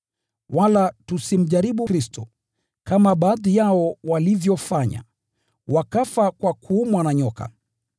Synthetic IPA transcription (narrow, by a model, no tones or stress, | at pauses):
walatusim̩ʄaɾiɓuɾistɔ | kamaɓaːðijaɔwalivjɔfaɲa̰ | wakafakwakʰuːmwanaɲɔka̰